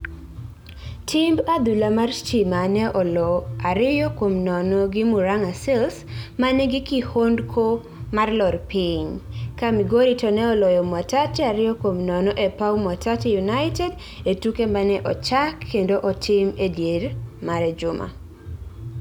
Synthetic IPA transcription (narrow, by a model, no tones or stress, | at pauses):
tʰɪmbad̪ulamart͡ʃimanɛʔɔlɔaɾɪjɔkomnɔnɔɡɪmuɾaŋasɛlsmanɛɡɪkihondkʰo | marlɔrpiɲkamiɡoɾitɔnɛɔlɔjɔmatat͡ʃaɾɪjɔkomnɔnɔʔepawmwatatjunaɪtɛd | etukemanɛʔɔt͡ʃakʰːendoʔɔtʰɪmedjermaɾɛd͡ʒʊma̰